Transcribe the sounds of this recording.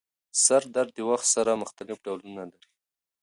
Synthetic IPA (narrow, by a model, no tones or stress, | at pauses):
saɾd̪aɾd̪̚d̪ewaxt̪saɾaməxt̪anɪfɖawlunalaɾi